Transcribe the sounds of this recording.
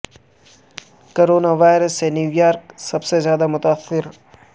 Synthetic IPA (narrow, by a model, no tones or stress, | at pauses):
koɾoːnaʋaːjɾəsenjuːjaːɾksɐbsezjaːd̪amʊt̪aːsːɪɾ